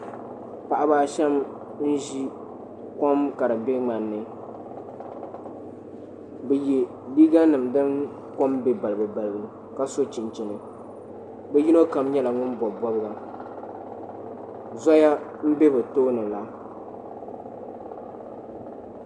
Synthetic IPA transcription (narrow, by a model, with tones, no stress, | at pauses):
pa˨ʔa˦baː˦ʃɛ˦m | n̩˦ʒi˦ | ko˦mka˨ɾɨ˨be˦ŋ͡ma˨nːɨ˨ | bɛ˨jɛ˨ | li˦ɡa˦nɨ˨mdɨ˦n | ko˦mbe˦ba˨lɨ˨bɨ˨ba˨lɨ˨bɨ˨ | ka˦so˦t͡ʃi˨nt͡ʃɪ˨nɨ˨ | bɛ˦ji˦no˦ka˨mɲɛ˦la˨ŋʊ˦n˦bɔ˨bɔ˦bɨ˦ɡa˨ | zɔ˦ja˦m̩˦be˦bɛ˨toː˦nɨ˨la˨